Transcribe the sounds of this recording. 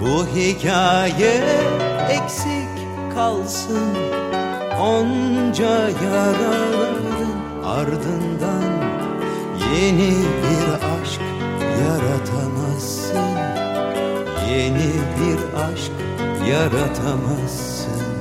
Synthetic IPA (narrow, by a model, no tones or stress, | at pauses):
buɦicʲʰaːjɛː | kʲsik | kʰːalˠsɯn | ond͡ʒajaɾalˠɯɯɯn | a̰ɾd̪ɯnd̪an | jenibiɾaʃk | jaɾat̪ʰamasːɯn | jenibiɾ | aʃk | jaɾat̪ʰamasːɯn